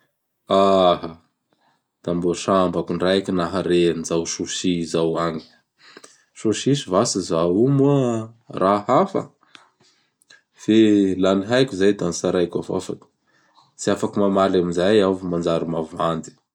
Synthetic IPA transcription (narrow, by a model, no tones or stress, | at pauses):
aha | d̪̥amboʃambakuɳrajkinaɦaɾeanizawʃuʃizawaŋi̥ | ʃuʃisivasizaumuərʔahafə̰ | felaniɦajkʲuzajd̪anisaɾajkʲa̰va̰fakə̥ | t͡siafakumamalamizajavumand͡zaɾimavand̪i̥